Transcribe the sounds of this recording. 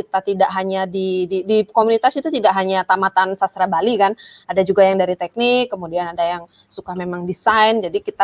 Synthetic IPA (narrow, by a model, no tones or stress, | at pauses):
kit̪at̪idaʔɦaɲadididikomunit̪asit̪ut̪idaʔɦaɲat̪amat̪ansasɾabalikanadad͡ʒuɡajaŋdaɾit̪ɛk̚nɪkːəmudianadajaŋ | sukahmemaŋdisajnd͡ʒadikit̪a